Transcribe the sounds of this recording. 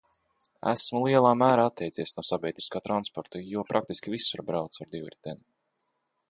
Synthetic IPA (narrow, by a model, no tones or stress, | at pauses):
æ̰smulˠiɛlˠaːmæːɾaːat̪ʰʲːɛjt̪siɛsnuɔsabʲɛjd̪ɾiskaːt̪ɾanspɔɾt̪ujuɔpɾʔak̚t̪iskʲivisuɾbɾawt̪saɾd̪ivɾit̪ʲɛn